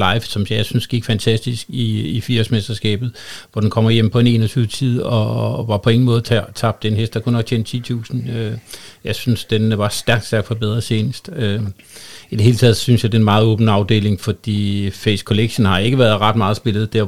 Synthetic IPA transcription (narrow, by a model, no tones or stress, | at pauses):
lɑ̈ɪfsɒ̽msɑsynsɡ̥iɡ̥fænt͡sʰæsd̥isɡ̥iifiɐsmesd̥ɐsɡ̥ɛ̰ːb̥ð̞̩ˠʋɒd̥enkʰɒ̽m̰ɐjem̰pʰɒ̽e̝ne̝̰ːnɒsʰyːʊt͡sʰið̞̰ˠɒ̽ʋɑ̈pʰɒ̽e̝ŋn̩mɔ̽ːð̩ˠt͡sʰæt͡sʰɑ̈b̥d̥enɦesd̥ɑ̈kʰunɒ̽ɡ̥̚t͡ɕʰent͡sʰḭːt͡sʰṵːsn̩øjɑ̈ɪsynsd̥enʋɑ̈sd̥æɐɡ̥d̥sæɐɡ̥fɒ̥̽b̥eð̞ˠʁɐsʰeːnəsd̥ø | id̥eɦe̝ːlt͡sʰɛðˠsynsjɑɪd̥enmɑ̈ːð̩ˠɔ̽ːb̥n̩ɑ̈ʊd̥e̝̰ːle̝ŋfɒ̽d̥ḭːfeɪskʰo̝leɡ̥ɕənhɑ̈e̝ɡ̥əʋæɐð̞̩ˠʁɑ̈d̥mɑ̈ːð̞ˠsb̥e̝lð̩ˠd̥æɐ̰